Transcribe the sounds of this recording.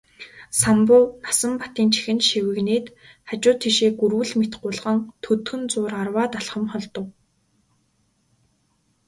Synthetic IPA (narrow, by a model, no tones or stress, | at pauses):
sampʊːnasə̆mpḁt̪iːnt͡ɕʰi̥xɘ̆nʃiwɘ̆ɣneːt̪ | χat͡ɕʊːt̪ʰːiʃeːɡuɾwɘ̆ɮmet̪ɢʊɮʁə̆nt̪ʰɵt̪xɵ̆nt͡sʊːrarwaːt̪aɮχə̆mχɔɮt̪ɞ̆w